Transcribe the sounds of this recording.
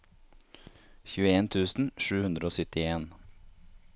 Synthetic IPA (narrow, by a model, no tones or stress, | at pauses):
çʉːəeːnt̪ʰʉːsn̩ʃʉːhʉnd̪ɾəoːsʏt̪ɪeːn